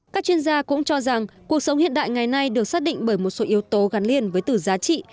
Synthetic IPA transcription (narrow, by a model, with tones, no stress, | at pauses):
kaː˦˥k̚t͡ɕwi˧ənzaː˧kʊ̰˧˥ŋ͡mt͡ɕɔ˧za˨˩ŋku˨˩ək̚sə˨˦wŋ͡mhḭ˧˨ənɗa̰ː˧˨jŋa˨˩jna˧jɗɨ˨˩ək̚saː˦˥k̚ɗḭ̈˧˨ŋ̟ɓəː˧˩jmo˨˩t̚so˨˦ʔi˨˦əwt̪o˨˦ɣa˨˦nli˧ənvəː˨˦jt̪ɨ˧˩zaː˨˦t͡ɕḭ˧˨